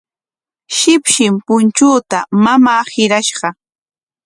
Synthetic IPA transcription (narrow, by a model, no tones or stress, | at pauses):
ʃɪpʃɪmpʊnt͡ʃuːt̪amamaːhɪɾaʃɢɑ